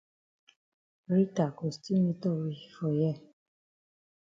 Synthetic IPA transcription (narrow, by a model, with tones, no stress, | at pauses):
ɾi˦ta˨ko˨sti˦mĩ˧to˦˨ɾi˧˨fɔ˧˨jɛ˦˨